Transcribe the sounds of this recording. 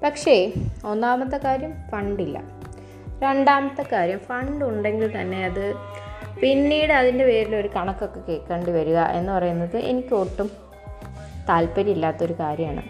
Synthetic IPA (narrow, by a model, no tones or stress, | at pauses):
pɐkʂe̞o̞nːaːmɐt̪ːɐkaːɾjɐmfɐɳɖilːɐ̰ | ɾe̞ɳɖaːmɐt̪ːɐkaːɾjɐmfɐɳɖuɳɖe̞ŋɡilt̪ɐnːe̞ɐðɨ | pinːiːɽɨɐðinde̞pe̞ːɾilo̞ɾukɐɳɐkːo̞kːe̞ke̞ːkːeːɳɳɖɨʋɐɾuɣɐʔe̞nːɨpɐrɐjunːɐðɨʔe̞̰nikʲːo̞ʈːum | t̪aːlpɐɾiilːaːt̪ːo̞ɾukaːɾjɐmaːɳɨ̰